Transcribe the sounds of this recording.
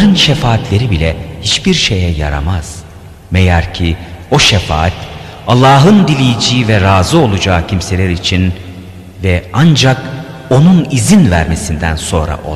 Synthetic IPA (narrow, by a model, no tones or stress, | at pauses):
ɾɯnʃefaːt̪lʲe̞ɾibilʲɛhit͡ʃbiɾʃe̞jɛja̰ɾa̰maz̥ | mejæɾcʰio̞ʃefa̰ːat̪ | alˠːaːɦɯnd̪ilʲijid͡ʒijivɛɾaːzɯo̞lˠud͡ʒaːcʰimse̞lʲæɾit͡ʃʰin | vɛand͡ʒak | o̞nunizinvæɾme̞sind̪ænso̞nɾa̰ʔo̰